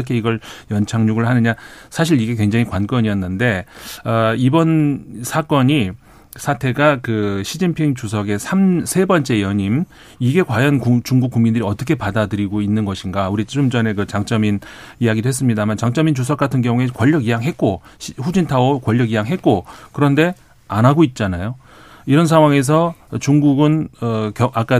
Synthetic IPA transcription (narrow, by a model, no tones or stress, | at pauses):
kʰe̞iɡʌɭjʌnt͡ɕʰaŋɲuɡɯɭhanɯɲasʰaɕ̬ʰiɾiɡe̞kwe̞ŋd͡ʑaŋikwank͈ʌɲijʌnːɯnde̞ʌibʌnsʰak͈ʌɲi | sʰatʰe̞ɡakɯɕʰid͡ʑinpʰiŋt͡ɕusʰʌɡe̞sʰamsʰe̞bʌnt͡ɕ͈e̞jʌɲim | iɡe̞kwajʌnkut͡ɕuŋɡuk͈ːuŋmindɯɾiʌt͈ʌkʰe̞padadɯɾiɡoinːɯnɡʌɕʰinɡauɾit͡ɕomd͡ʑʌne̞kɯt͡ɕaŋt͡ɕ͈ʌminijaɡidoɦes͈ɯmɲidamant͡ɕaŋt͡ɕ͈ʌmint͡ɕus̬ʰʌk͈atʰɯnɡjʌŋue̞kwʌʎːʌɡijaŋɦe̞t̚k͈oɸud͡ʑintʰaokwʌʎːʌɡijaŋɦe̞t̚k͈okɯɾʌnde̞ | anaɡoit̚t͡ɕ͈anajo | iɾʌnsʰaŋɦwaŋe̞s̬ʰʌt͡ɕuŋɡuɡɯnkjʌak͈a